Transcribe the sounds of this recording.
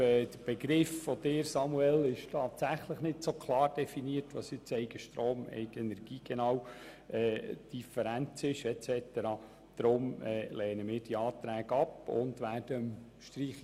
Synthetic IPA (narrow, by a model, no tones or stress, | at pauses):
ɛːd̪̥əɾb̥eɡɾɪfːɔd̥̪ɪːɾsɑmuɛlɪʃtʰɑːt̪sæχləχnɪdsokʰlˠɑːɾd̥ɛfiniətʋɑ̰sɪt͡sɛɪɡəʃtroːmɛ̰ɪɡɛnɛɾɡ̥iːɡ̥ɛnɑːw | ʔɛːd̥ifəɾænt͡sɪʃɛt͡sɛt̪əɾɑː | d̪̥ɾʊmɛːlɛːnəmɪːɾd̥iɑːt̪ɾæːɡɑpʊ̰ndʋæːd̥əmʃtriːχ